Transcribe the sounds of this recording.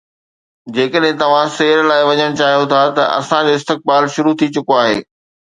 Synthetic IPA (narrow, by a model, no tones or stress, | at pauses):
d͡ʑeːkəɗɦɪ̃t̪ɐʋ̤ãseːɾlaːɪʋɐɲəɽ̃t͡ɕaːɦijot̪ʰat̪ɐ̰ʔɐ̰sãd͡ʑoːɪst̪ɪk̚baːlʃʊɾut̪ʰit͡ɕʊkoaːɦḛː